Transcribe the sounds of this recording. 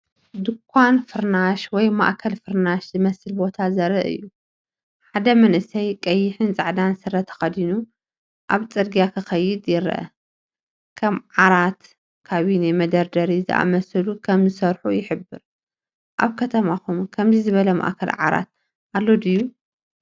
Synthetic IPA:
d̪ɨkʰʷːwanfɨɾnaʃwɔjma̰ʔkʰɐlfɨɾnaʃzɨmɐsɨlbo̞t̪ʰazɐɾɐʔɨ̰jːu | ħad̪ɐmɐnʔɨsɐjkʼɐjːɪħɨnt͡sʼaʕd̪ansɨrːɐt̪ʰːɐ̥xɐd̪inu | ʔaβt͡sʼɨɾɡijakʰɨxɐjɪd̪jɪɾɐ̰ʔɐ̰ | kʰɐmʕaɾat̪ | kʰaβinemɐd̪ɐɾd̪ɐɾizɨ̰ʔa̰mɐsɐlukʰɐmzɨsɐɾħujɪħɨbːɨɾ | ʔaβkʰɐt̪ʰɐmakumkʰɐmzizɨβɐlɐma̰ʔkʰɐlʕa̰ɾa̰t̪̚ | ʔalːod̪ɨjːu

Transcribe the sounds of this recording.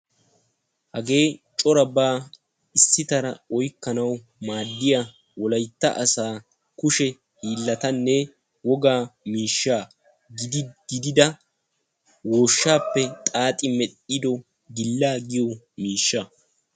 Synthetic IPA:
hɐɡe̞ːt͡ʃʼɔɾɐbaː | ɪsːɪt̪ɐɾɐɔjkːɐnɐw | maːd̪ːɪja | wɔlɐjt̪ːɐ̰ʔɐsaː | kʊʃɛ | hiːlːɐt̪ɐnːɛ | wɔɡaːmiːʃːaː | ɡɪd̪ɡɪd̪ɪd̪ɐ | woːʃːaːpːɛt̪ʼaːt̪ʼɪmɛɗʼɪd̪ɔ | ɡɪlːaːɡɪjɔ | miːʃːɐ

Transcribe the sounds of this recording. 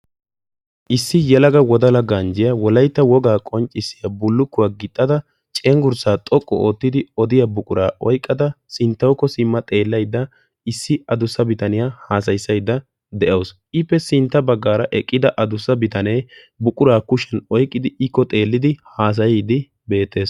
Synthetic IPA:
ʔɪsːɪjɛlɐɡɐwɔd̪ɐlɐɡɐnd͡ʒɪjɐwɔlɐjt̪ːɐwɔɡaːkʼɔnt͡ʃʼːɪsːɪjɐbʊlːʊkːʊwaːɡɪt̪ʼːɐd̪ɐ | t͡ʃʼeːŋɡʊɾsaːt̪ʼɔkʼːɔ̰oːt̪ːɪd̪ɪɔd̪ɪjabʊkʼʊɾaːʔɔjkʼːɐd̪ɐsɪnt̪ːɐwkːɔsɪmːɐt̪ʼe̞ːlːɐjd̪ːɐ | ɪsːɪɐd̪ʊsːɐbɪt̪ɐnɪjahaːs̬ɐjsːɐjd̪ːɐ | d̪ɛʔɐws | ɪpːɛsɪnt̪ːɐbɐɡːaːɾɐʔɛkʼːɪd̪ɐʔɐd̪ʊsːɐbɪt̪ɐne̞ː | bʊkʼʊɾaːkʊʃɛnɔjkʼːɪd̪ɪɪkːɔt̪ʼe̞ːlːɪd̪ɪhaːs̬ɐjɪd̪ɪ | be̞ːt̪ːe̞ːs

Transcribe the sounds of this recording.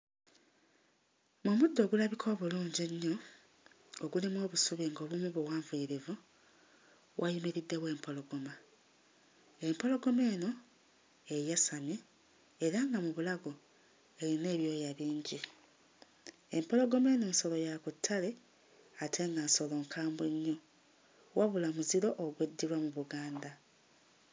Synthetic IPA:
momudːo̞ːɡulaβikʰo̞ːβuluːɲɟeɲːo̞ | oɡulimo̞ːβusuβiŋɡo̞ːβumuβowaːɱvuiɾivu | wʔajumeɾidːe̞βwe̞ːmpʰo̞lo̞ɡo̞ma | e̞mpo̞lo̞ɡo̞me̞ːno̞ | ejasamjeː | ɾaŋɡamuβulaɡo̞ | e̞ɾine̞ːβjo̞ːjaβiːɲɟi | empo̞lo̞ɡo̞me̞ːno̞ːnso̞lo̞jakutʰːale | atʰe̞ŋɡanso̞lo̞ŋkʰaːmbweɲːo̞ | wʔaβulamuziɾo̞ʔoɡwedːiɾwamuβuɡaːnda

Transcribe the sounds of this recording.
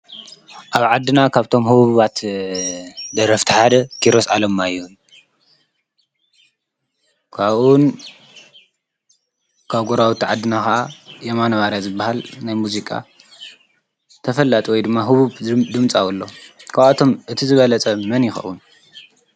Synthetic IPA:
ʔaβʕad̪ːɨnakʰaβt̪ʰo̞mhɨβuβuβat̪ | d̪ɐɾɐft̪ʰiħad̪ɐkʰiɾo̞sa̰lɐmːajːu | kʰaβun | kʰaβɡoɾawut̪ʰiʕad̪ːɨnakaʔajemanɐβaɾjazɨbːahalnajmuzikʼa̰ | t̪ʰɐfɐlːat̪ʼiwɔjd̪ɨmːaɦɨβuβd̪ɨmt͡sʼawulːo̞kʰaβt̪ʰo̞mʔɨt̪ʰizɨβɐlɐt͡sʼɐmɐnjɪxɐ̰ʔwun

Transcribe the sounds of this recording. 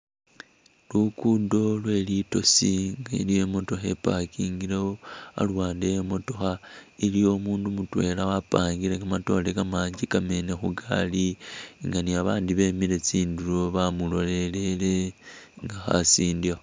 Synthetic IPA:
lukudo̞lwe̞ːlito̞siŋɡa̰lije̞mo̞to̞xe̞̰pakiːŋɡiɾewoa̰lwaːndejemo̞to̞xailijo̞ːmuːndumutwe̞̰ːlawapaːŋɡiɾeɡamato̞ːle̞ɡamaːɲɟikame̞ne̞xuɡa̰liŋɡaniaβaːndiβe̞ːmiɾe̞t͡siːnduɾo̞βamulo̞le̞le̞le̞ŋɡaxa̰siːndiwa

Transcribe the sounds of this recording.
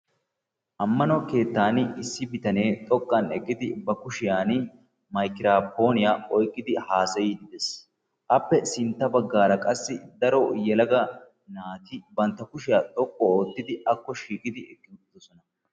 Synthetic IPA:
ʔɐmːɐnoke̞ːt̪ːaːnɪɪsːɪbɪt̪ɐne̞ːt̪ʼɔkʼːɐnɛkʼːɪd̪ɪbɐkʊʃɪjaːn | mɐjkɪɾaːpo̞ːnɪjaːɔjkʼːɪd̪ɪhaːsɐjiːd̪ɪd̪ɛs | ʔɐpːɛsɪnt̪ːɐbɐɡːaːɾɐkʼɐsːɪd̪ɐɾɔjɛlɐɡɐ | naːt̪ɪbɐnt̪ːɐkʊʃɪjaːt̪ʼɔkʼːɔoːt̪ːɪd̪ɪɐkːɔʃiːkʼɪd̪ɪɛkʼːɪʊt̪ːɔsɔnɐ

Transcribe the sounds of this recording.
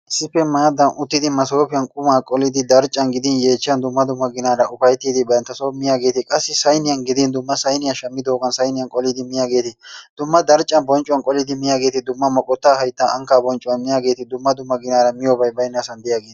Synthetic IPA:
ʔɪsːɪpːɛmaːd̪ɐnʔʊt̪ːɪd̪ɪmɐso̞ːpɪjɐnkʼʊmaːkʼɔlɪd̪ɪd̪ɐɾt͡ʃʼːɐnɡɪd̪ɪnje̞ːt͡ʃːɪjɐnd̪ʊmːɐd̪ʊmːɐɡɪnaːɾɐʔʊfɐjt̪ːiːd̪ɪbɐnt̪ːɐsomɪjaːɡe̞ːt̪ɪkʼɐsːɪsɐjnɪjɐnɡɪd̪ɪnd̪ʊmːɐsɐjnɪjɐʃɐmːɪd̪o̞ːɡɐnsɐjnɪjɐnkʼɔlɪd̪ɪmɪjaːɡe̞ːt̪ɪd̪̥ʊmːɐd̪ɐɾt͡ʃʼːɐnbɔnt͡ʃʼʊwɐnkʼɔlɪd̪ɪmɪjaːɡe̞ːt̪ɪd̪ʊmːɐmɐkʼɔt̪ːaːhɐjt̪ːaʔɐŋkaːbɔnt͡ʃʼʊwɐnmɪjaːɡe̞ːt̪ɪd̪ʊmːɐd̪ʊmːɐɡɪnaːɾɐmɪjoːbɐjbɐjnːaːsɐnd̪ɪjaːɡeːt̪ɪ̥

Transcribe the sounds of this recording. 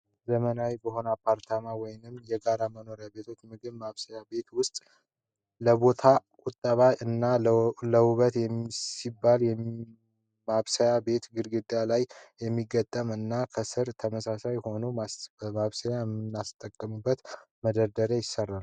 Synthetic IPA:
zəmənawjbəɦo̞napʰaɾt̪ʰamawɔjnɨmjɛɡaɾaməno̞ɾjabe̞t̪ʰo̞t͡ʃːmɨɡɨβmaβsəjabe̞t̪wʊst̪ʼ | ləβo̞t̪ʰakʼʊt̪ʼːəβaɨnːaləwuβət̪jɛmsibːaljɛ | maβsəjabe̞t̪ɡɨɾɡɨd̪ʼjalajjɛmːiɡət̪ʼːəmɨnːakʰəsɨɾt̪ʰəməsasajho̞numasbəmaβsəjaɛmːɨnːast̪ʼəkʼːəmubːət̪ | məd̪əɾd̪əɾejɪsərːal

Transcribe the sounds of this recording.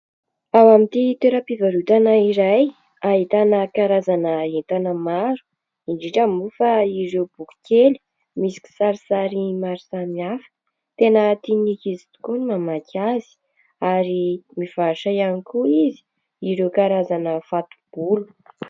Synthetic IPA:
awamint̪it̪eɾəpivaɾut̪anəiɾaj | aɦit̪anəkaɾazanəent̪anəmaɾu̥ | iɳɖ͡ʐiʈ͡ʂamufaiɾewb̥uku̥keli̥ | misi̥kʲi̥saɾisaɾimaɾusamiafə̥ | t̪enət̪inikizit̪u̥kunimamakʰazi̥ | aɾimiv̥aʃajanikuizi̥ | iɾewkaɾazanəfat̪u̥b̥ulu̥

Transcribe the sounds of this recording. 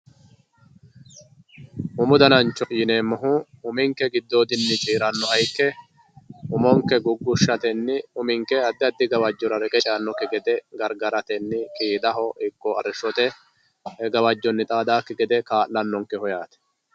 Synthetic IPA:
ʔʊmʊd̪ɐnɐnt͡ʃːɔʔjɪneːmɔɦʊʊmɪŋkːɛɡɪd̪ːoːd̪ɪnːɪt͡ʃʼiːɾɐnːɔɐjkːɛ | ʔʊmɔŋkɛɡʊɡːʊʃːɐt̪ɛnːɪʊmɪŋkɛɐd̪ːɪɐd̪ːɪɡɐwɐd͡ʒːɔɾɐɾɛkʼɛt͡ʃʼaːnːɔkːɪɡɛd̪ɛɡɐɾɡɐɾɐt̪ɛnːɪkʼiːd̪ɐɦɔʔɪkːɔɐɾɛʃɔt̪ɛ | hɛɡɐwɐd͡ʒːɔnːɪt̪ʼaːd̪aːkːɪɡɛd̪ɛkaːʔlɐnːɔŋkːɛhɔjaːt̪ɛ̥

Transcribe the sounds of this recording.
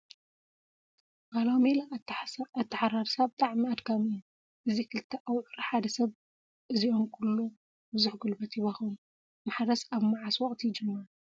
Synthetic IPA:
ɡalawmelaat̪ʰːɐħaɾaɾsɐβt̪ʼaʕmiad̪ɡʰamiʔu | ʔɨzikʰɨlt̪ʰːɐʔawʕuɾɐħad̪ɐsɐβ | ʔɨziʔo̞mkʰulːu | bɨzuħɡɨlbɐt̪ʰiβɐxum | maħɾɐsaβmaʕaswɔχʼt̪ʰijd͡ʒɨmːaɾ

